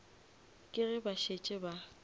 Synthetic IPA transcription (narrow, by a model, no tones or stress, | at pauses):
kʼɪɣɪbaʃet͡ʃʼɪba